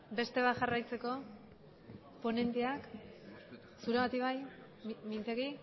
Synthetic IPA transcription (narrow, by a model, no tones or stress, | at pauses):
be̞st̪e̞β̞aʝarajt͡se̞ko̞ | po̞ne̞nt̪eak | suɾeβat̪iβaj | mint̪e̞ɣi